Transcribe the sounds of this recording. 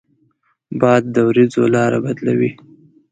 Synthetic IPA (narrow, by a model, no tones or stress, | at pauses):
bɑad̪̚ːəwɾid͡zolɑɾabad̪lawi